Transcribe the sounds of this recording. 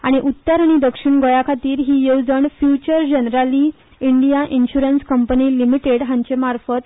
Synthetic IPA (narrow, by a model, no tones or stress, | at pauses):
aɽ̃iʔut̪ːəɾaɽ̃id̪əkʂiɳɡojakʰat̪iːɾɦiːjewd͡zəɳfjut͡ɕəɾd͡ʑənɾali | iɳɖijaʔinɕuɾənskəmpəniːlimiʈeɽɦãɲt͡ɕemaɾfət̪